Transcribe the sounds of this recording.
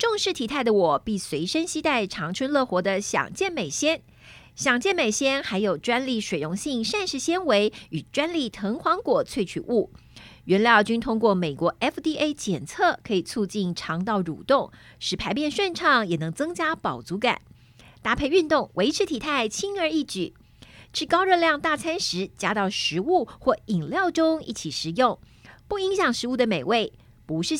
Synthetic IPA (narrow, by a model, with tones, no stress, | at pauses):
ʈ͡ʂʊ˥˧ŋʂɻ̩˥˩t̪ʰi˨˩t̪ʰa˥˩ɪd̪ə˩wɔ˨˩pi˥˩swe˧˥ɪʂə˥ŋɕi˥t̪a˥˩ɪʈ͡ʂʰɑ˧˥ŋʈ͡ʂʰwə˥nlɤ˥˩xwɔ˧˥d̪ə˧ɕjɑ̰˨˩ŋt͡ɕjɛ˥˩nme˨˩ɪɕjɛ˥n | ɕjɑ˨˩ŋt͡ɕjɛ˥˩nme˨˩ɪɕjɛ˥nxa˧˥ɪjo˨˩ʊʈ͡ʂwa˥nli˥˩ʂwe˨˩ɪɻʊ˧˥ŋɕi˥˧ŋʂa˥˧nʂɻ̩˥˩ɕjɛ˥nwe˧˥ɪy˨˩ʈ͡ʂwa˥nli˥˩t̪ʰɤ˧˥ŋxwɑ˧˥ŋkwɔ˨˩t͡sʰwe˥˩ɪt͡ɕʰy˨˩˦ʔu˥˩ɥɛ˧˥nljɑ˥˩ʊt͡ɕy˥nt̪ʰʊ˥ŋkwɔ˥˩me˨˩ɪkwɔ˧˥ʔɛ˥ft̪i˥ʔe˥ɪt͡ɕjɛ˨˩nt͡sʰɤ˥˩kʰɤ˧˥i˨˩t͡sʰu˥˧t͡ɕi˥˩nʈ͡ʂʰɑ˧˥ŋt̪ɑ˥˩ʊɻṵ˨˩t̪ʊ˥˩ŋ | ʂɻ̩˧˥pʰa˧˥ɪpjɛ˥˧nʂwa˥˧nʈ͡ʂʰɑ˥˩ŋjɛ˨˩nɤ˧˥ŋt͡sɤ˥ŋt͡ɕja˥pɑ˨˩ʊt͡su˧˥ka̰˨˩˦n | t̪a˥˩pʰe˥˧ɪy˥˧nt̪ʊ˥˩ŋwe˧˥ɪʈ͡ʂʰɻ̩˧˥t̪ʰi˨˩t̪ʰa˥˩ɪt͡ɕʰi˥nə˞˧i˥˩ʈ͡ʂɻ̩˨˩ | ʂɻ̩˥˧kɑ˥ʊɻɤ˥˧ljɑ˥˧ŋt̪a˥˩t͡sʰa˥nʂɻ̩˧˥t͡ɕja˥t̪ɑ˥˩ʊʂɻ̩˧˥u˥˧xwɔ˥˩i˨˩ŋljɑ˥˩ʊʈ͡ʂʊ˥ŋḭ˥˩t͡ɕʰi˨˩ʂɻ̩˨˩jʊ˥˧ŋpu˥˩i˧˥ŋɕjɑ˨˩ŋʂɻ̩˧˥u˥˩d̪ə˩me˨˩ɪwe˥˩ɪ | pu˧˥ʂɻ̩˥˩